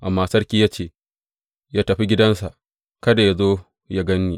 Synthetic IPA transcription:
ʔa˨mːaː˦sɐ˦rkʲiː˦jaː˦t͡ʃeː˦˨ | jaː˦tɐ˨ɸi˦ɡʲɪ˦dɐ˦nsa˨ʔ | kɐ˦da˨ja˦zoː˦ | ja˦ɡɐ˦nːiː˦

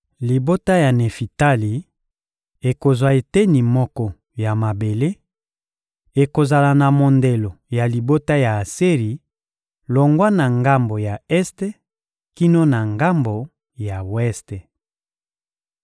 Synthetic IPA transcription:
li˨bo˦ta˦ja˨ne˨fi˨ta˦li˨ | e˨ko˨zwa˨e˨te˦ni˨mɔ˦kɔ˦ | ja˨ma˨be˨le˦ | e˨ko˨za˨la˨na˨mo˨nde˨lo˨ja˨li˨bo˦ta˦ja˨se˦ʁi˨ | lo˨ŋɡwa˦na˨ŋɡa˦mbo˨ja˨ɛ˦ste˦ | ki˦no˦na˨ŋɡa˦mbo˨ | ja˨wɛ˦ste˨

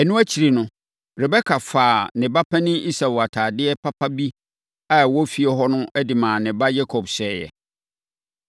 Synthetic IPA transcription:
ɛ˨nũ˦æ˦t͡ɕʰi˨ɾi˨nʊ̃˦ | ɾɛ˨bɛ˦kʰa˨faː˨nɪ̃˨ba˦pʰɛ̃˦nɪ̃˦i˦sa˨wa˨tʰaː˨dɪ˦ɛ˦pʰa˦pʰa˦bi˦ | a˨wɔ˦fi˦ɛ˦ɦɔ˦nʊ̃˦ʔɛ˦dɪ˨mãː˨nɪ̃˨ba˦jɛ˦kʰɔ˨bsɛː˨jɛ̰˨

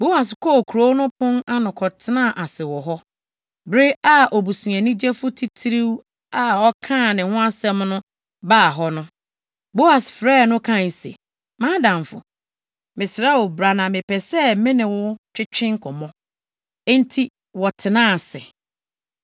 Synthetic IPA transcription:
bo˦a˨s̬kʰɔ˦˨kʰu˨ɾo˦nʊ̃˦pʰʊ̃˦na˦nʊ̃˨kʰɔ˨tʰɪ˦nã˦˨ʔa˨sɪ˨wɔ˨ɦɔ˦ | bɾɪ˦a˦ʔɔ˨bu˨sĩ˨ɛ̃˨nĩ˦d͡ʑɛ˦fʊ˦tʰi˦tʰi˦ɾi˦w | a˦ɔ˦kʰã˦˨nɪ̃˨hʊ̃˦a˦sɛ˦mnʊ̃˦ | baː˦˨ɦɔ˦nʊ̃˦ | bo˦a˨sfɾɛː˦˨nʊ̃˦kʰã˦˨n˨sḛ˨ | mãː˦dã˨mfʊ̰˨ | mɪ̃˨sɾa˦wo˨bɾa˨nã˨mɪ̃˨pʰɛ˨sɛ˦mɪ̃˦nɪ̃˨wʊ˦t͡ɕʰᶣɪ˦t͡ɕʰɪ̃˦ŋ˦kʰɔ˨mɔ̃˦ | e˦n̩˦tʰi˦ | wɔ˨tʰɪ˨nãː˦˨sɪ˨

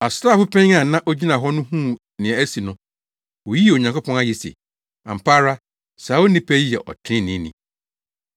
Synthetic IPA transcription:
a˨sɾaː˦˨fʊ˦pʰɛ̃˦ɲ˦a˨nã˦ʔo˦d͡ʑi˦nã˨ɦɔ˦nʊ̃˦ɦũ˦˨ | nɪ̃˨ɛ˨æ˦si˨nʊ̃˨˦ | wo˨ji˦˨o˨ɲã˨ŋkʊ˦pʰɔ̃˦na˦jɛ˨sḛ˨ | ã̰˨m̩˨pʰaː˦ɾa˦ | saː˨˦wo˦nĩ˦pʰɛ˦ji˦ɛ̰˨ʔɔ̰˨tʰɪ̃˦nɪ̃˦nḭ̃˨

